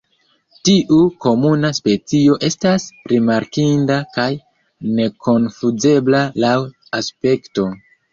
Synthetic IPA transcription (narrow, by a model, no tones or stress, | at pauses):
tiʔuko̞munaspe̞t͡sio̞ʔe̞stasɾimaɾkindakaj | ne̞ko̞nfuze̞blalaw | aspe̞kto̞